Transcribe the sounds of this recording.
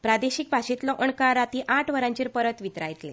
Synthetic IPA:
pɾad̪eɕiːk̚bʱaɕit̪lɔʔəɳkaɾat̪iːʔaʈʰʋəɾãɲt͡ɕiːɾpəɾət̪ʋit̪ɾajt̪le

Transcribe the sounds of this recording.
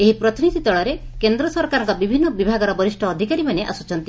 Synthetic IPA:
eɦipɾɔt̪inid̪ʱit̪ɔɭɔɾekend̪ɾɔsɔɾkaɾɔŋkɔbibʱinːɔbibʱaɡɔɾɔbɔɾisʈʰɔːd̪ʱikaɾimaneʔa̰sut͡ʃɔnt̪i

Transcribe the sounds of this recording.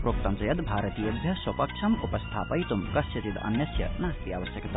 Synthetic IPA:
pɾoːk̚t̪ɐmt͡sɐjɐd̪bʱaɾɐt̪ijod̪ʱjɐswɐpɐkt͡ʃʰɐmupɐst̪ʰa̰ːpɐjt̪umkɐsʰɐt̪id̪ɐ̰njɐsjɐ̰naːst̪iaʋɐsjɐkt̪

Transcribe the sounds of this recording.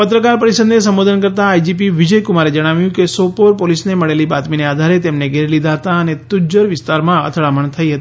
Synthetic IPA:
pət̪ɾəkaɾpəɾisəd̪esə̃mʋod̪ənkəɾt̪aːjd͡ʒip̬iʋɪd͡ʒəjkumaɾed͡ʒəɽ̃aʋjũkesopoɾpolisneməɭelibat̪minead̪ʱaɾet̪emneɡʱeɾlid̪ʱaɦət̪aənet̪ud͡ʒəɾʋɪst̪aɾmãə̰t̪ʰəɭaməɳt̪ʰəiɦət̪i̥

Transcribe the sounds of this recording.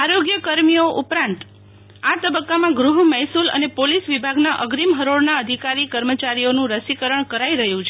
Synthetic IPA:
aɾoɡjəkəɾmijoʔupɾãnt̪ | at̪əbəkːamãɡɾuɦmɛɦsulə̰nepolisʋibʱaɡnaʔəɡɾimɦəɾoɽnaəd̪ʱikaɾikəɾmət͡ʃaɾijonũɾəsikəɾəɳkəɾaiɾəɦjũt͡ʃʰe

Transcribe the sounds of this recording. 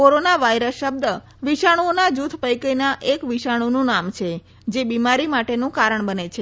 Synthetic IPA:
koɾonaʋajɾəsʃəb̚d̪ə | ʋiʃaɽ̃uonad͡ʒut̪ʰpəjkənaʔekʋiʃaɽ̃unũnamt͡ʃʰe | d͡ʒebimaɾimaʈenũkaɾəɳbənet͡ʃʰe

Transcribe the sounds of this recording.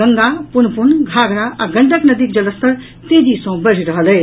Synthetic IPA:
əŋɡapunpunɡʱaɡɾaʔaɡəɳʈəknəd̪ik̚d͡ʒʌləst̪əɾ | t̪ed͡ʒisə̃w̃bəɾ̤iɾəɦələj

